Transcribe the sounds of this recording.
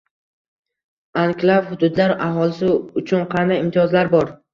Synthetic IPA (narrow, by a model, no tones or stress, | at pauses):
ankʲlavhʊd̪ʊd̪laɾaɦɒlɪsɪʊt͡ʃʰʊnqʰɑnd̪ajɪmt̪ʰijɒzlaɾbɒɾ